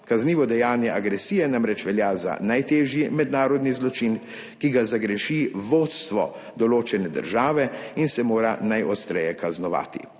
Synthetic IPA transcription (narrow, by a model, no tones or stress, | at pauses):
kazniːʋɔd̪ɛjaːnjɛʔaɡɾɛsijɛnamɾɛt͡ʃʋɛljaːza̰najt̪eːʒjimɛd̪naːɾɔd̪nizlɔt͡ʃin | kiɡazaɡɾɛʃiʋoːt̪st̪ʋɔ̰ | d̪ɔloːt͡ʃɛnɛd̪ə̰ɾʒaːʋɛinsɛmoːɾanajʔɔst̪ɾɛjɛkaznɔʋa̰ːt̪ḭ